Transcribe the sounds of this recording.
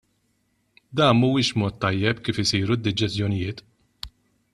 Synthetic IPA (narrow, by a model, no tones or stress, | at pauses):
d̪ɐːnmuːɪːʃbmɔːt̪ːɐjːɛpkiːfɪsiːɾud̪ːɪd͡ʒɛsjɔnɪjɪːt̪